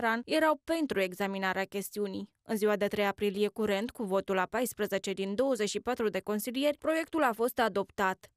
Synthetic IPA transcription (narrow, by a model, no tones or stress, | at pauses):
ɾanje̞ɾawpe̞nt̪ɾue̞ɡzaminaɾeakʲe̞st̪iunij | ɨnziwad̪e̞t̪ɾe̞japɾilije̞kuɾe̞nt̪kuvo̞t̪ulapajspɾəze̞t͡ʃe̞d̪ind̪o̞wəze̞t͡ʃʃipat̪ɾud̪e̞ko̞nsilije̞rʲpɾo̞je̞k̚t̪ulafo̞st̪ad̪o̞pt̪at̪